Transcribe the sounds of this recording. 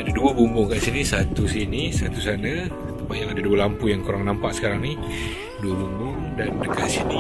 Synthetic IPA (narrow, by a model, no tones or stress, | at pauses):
adaduəbumbʊŋkaʔsinisat̪usinisat̪usana | t̪ubajaŋadaduəlampujaŋkuɾaŋnampaʔsə̥kaɾaŋni | duəbumbʊŋdandəkaʔ̪sini